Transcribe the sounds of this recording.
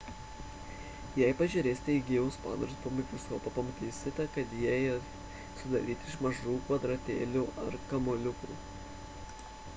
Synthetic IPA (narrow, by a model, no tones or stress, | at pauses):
jɛɪpɐʒʲɛɾʲeːsʲt̪ʲɛiɡʲiːʊspɑ̰ːnɐɾspomʲɪkʲʋʲɪsoːpɐpɐmɐt̪ʲiːsʲɪt̪ʲɛkɐt̪jiɛ | sʊd̪ɐɾʲiːt̪ʲɪʃmɐʒuːkʋɐd̪ɾɐt̪ʲḛːlʲuːʔɐɾkɐmolʲʊkṵː